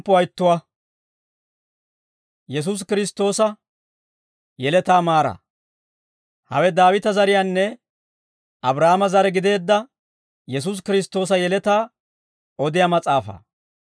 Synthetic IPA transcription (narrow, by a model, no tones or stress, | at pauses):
pːɔɐjt̪ːʊwɐ | jɛs̬uːs̬kɪɾɪst̪ːo̞ːsɐ | jɛlɛt̪aːmaːɾɐ̰ | hɐ̰wɛd̪aːwɪt̪ɐzɐɾɪjanːɛ | ɐbɾɐːmɐzɐɾɛɡɪd̪e̞ːd̪ːɐ | jɛs̬uːs̬kɪɾɪst̪ːo̞ːs̬ɐjɛlɛt̪aː | ɔd̪ɪjaːmɐt͡sʼaːfɐ̰ː